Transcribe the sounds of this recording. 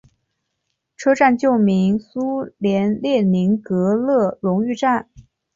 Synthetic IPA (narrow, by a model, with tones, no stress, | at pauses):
ʈ͡ʂʰɤ˥ʈ͡ʂa˥˧nt͡ɕjo˥˩ʊmi˧˥ŋsu˥ljɛ˧˥nljɛ˥˩ni˧˥ŋkɤ˧˥lɤ˥˩ɻʊ˧˥ŋy˥˧ʈ͡ʂa˥˩n